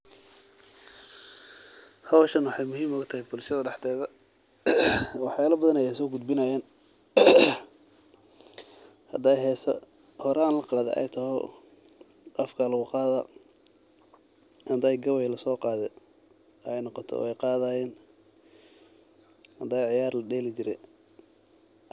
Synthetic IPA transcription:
hɐwʃɐnwɑħɑjmʊɦiːmɔɣɐt̪ʰɐhɪjbʊlʃɐðɐɖɑħt̪ʰɛːðɐ | wɑħjaːlɐbɐðɐnɛjɛjsɔːɡʊd̪bɪnɐjɛːn | hɐd̪ɛjɦɛːsɐ̰ | hɔɾaːnlɐqɑːðɛ̰ʔɛ̰jt̪ʰɐhɔ̰ | ʔɐfkʰɐlɐɣʊqɑːðɐ | hɐd̪ɐːjɡɐwɛjlɐsɔːqɑːðɛ | ɛjnɔqɔt̪ʰɔ̰ɔ̰ːɛjqɑːðaːjɛːn | hɐd̪aːjʕɪjaːrlɐɖɛːlɪt͡ʃɪɾɛ

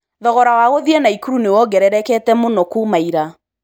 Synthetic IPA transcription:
ðɔɣɔɾawaɣoðiɛnaikuɾunewɔɡɛɾɛɾɛkɛtɛmonɔkumaiɾa

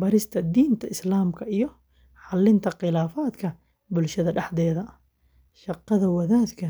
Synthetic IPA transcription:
bɐɾɪst̪ʰɐd̪iːnt̪ʰɐɪslaːmkʰɐijɔ | ħɑlːɪnt̪ʰɐqɪlaːfaːd̪kʰɐ | bʊlʃɐðɐɖɑħd̪ɛːðɐ | ʃɑqːɑðɐwɐðaːd̪kʰɐ

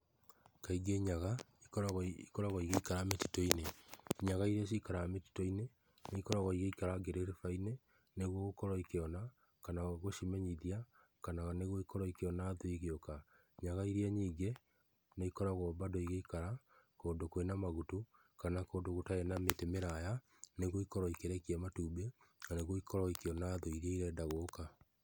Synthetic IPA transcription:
kaiɡeɲaɣa | ikɔɾaɣikɔɾaɣoiɣeikaɾameti̥toineɲaɣaiɾiaikaɾameti̥toine | neikɔɾaɣɔiɣeikaɾaɡeɾeɾefaine | neɣwɔɣokɔɾwaikeɔna | kanaɣoʃimɛɲiðia | kanaɣaneɣwɔikɔɾwaikeɔnaːðoiɣeoka | ɲaɣaiɾiɛɲiːŋɡe | neikɔɾaɣɔbadoiɣeikaɾakoːndokoenamaɣutu | kanakoːndoɣotaenametemeɾaja | neɣoikɔɾɔikeɾɛkiɛmatuːbenaneɣoikʰɔɾɔikeɔnaðoiɾeiɾɛdaɣoːka

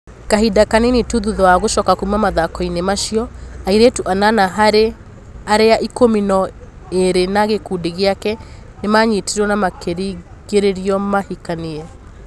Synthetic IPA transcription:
kaɦidakanenetuðuðɔaɣoʃɔkakoumamaðakɔinemaʃiɔaiɾetuʔananaɦaɾe | aɾeaʔikominɔ | eɾenaɣekudeɣeakɛ | nemaɲitiɾwɔnamakeɾi | ɣeɾeɾiɔmahikaneɛ

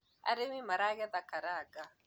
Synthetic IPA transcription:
a̰ɾewimaɾaɣɛðakaɾaɡa

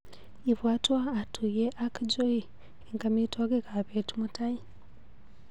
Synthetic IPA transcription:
iβwaːtwaːtujeʔakd͡ʒoi | eŋkamitwaɡekaβetumutaji

